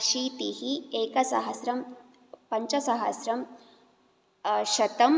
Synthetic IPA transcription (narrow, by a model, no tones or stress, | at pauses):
ʃiːt̪ihieːkɐsɐ̰ɦɐsɾɐm | pɐɲt͡ʃɐsɐɦɐsɾɐm | ʃɐt̪ɐm